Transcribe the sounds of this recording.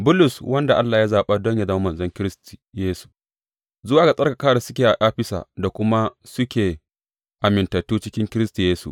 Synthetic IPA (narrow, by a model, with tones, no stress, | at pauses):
bʊ˦lʊ˨swɐ˦nda˨ʔa˦lːaː˨ja˦zaː˨ɓa˦dɔ˦ɲja˨da˦˨˦mɐ˨nzɐ˦ŋkʲɪ˦ɾɪ˦sti˨jeː˦su̥˨ | zʊ˦waː˨ɡa˨sʼɐ˦ka˨kaː˦ɽa˨sʊ˦kʲeː˨ʔa˨ʔaː˦ɸɪ˦sa̰ː˨da˨kʷʊ˦ma˦sʊ˦kʲeː˨ | ʔa˨mɪ˨ntɐ˨tːuː˦t͡ʃɪ˦kʲɪ˦ŋkʲɪ˦ɾɪ˦stu˨jeː˦sṵ˨ʔ